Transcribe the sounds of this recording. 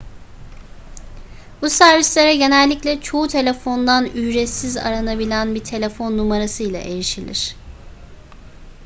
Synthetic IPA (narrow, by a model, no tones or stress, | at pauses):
busæɾvislʲe̞ɾɛɟe̞nɛlʲːiclʲɛt͡ʃʰo̞ut̪ʰe̞lʲe̞fo̞nd̪anyjɾɛsiza̰ɾanabilʲænbit̪ʰe̞lʲe̞fo̞nːumaɾasɯjlˠa̰ʔe̞ɾiʃilʲḭɾ̥